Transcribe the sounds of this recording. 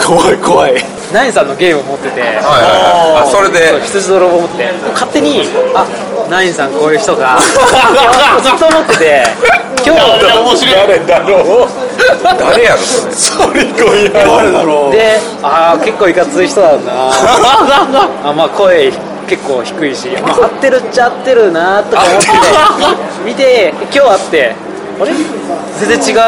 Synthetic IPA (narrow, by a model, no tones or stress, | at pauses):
kʰoaikoβai | naĩsãnːo̞ɡe̞ːmɯomo̞t̪ːe̞t̪e̞ajasoɾed̪eoçi̥t͡sɨʑid̪oɾoːbomot̪eeemokat̪ːe̞ɲ̟ia | naĩɰsãŋkoːjɯ̟ːçi̥t̪o̞ɡa | zɨt̪ːoːmo̞t̪ːe̞t̪e̞ | kʲoːaaomoɕiɾaɾɯnd̪aɾo | d̪aɾejaɾɯ | soɾekoi | d̪e̞ | ake̞kːo̞ːikat͡sɨiçi̥t̪o̞d̪ana | amaːkʰo̞e | ke̞kːo̞ːçi̥kɯ̟iɕist̪ːe̞ɾɯ̟t͡ɕat̪ːe̞ɾɯ̟nat̪o̞aomot̪et̪e | mʲit̪e̞kʲo̞ːat̪ːe̞ | oɾe | d͡zẽ̞d͡zẽt͡ɕiɡa